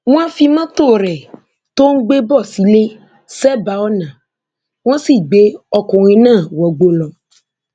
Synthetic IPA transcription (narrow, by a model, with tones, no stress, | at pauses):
ŋũ˦a˦fi˦mã˦t̪o˦˨ɾɛ˨ | t̪o˦ŋ̩˦ɡ͡be˦bɔ˦˨si˨le˦ | sɛ˦ba˨wɔ˦nã˨ | wõ˦si˦˨ɡ͡be˦ɔ˨kɔ̃˨ɣĩ˨nã˦˨wɔ˨ɡ͡bo˨lɔ˨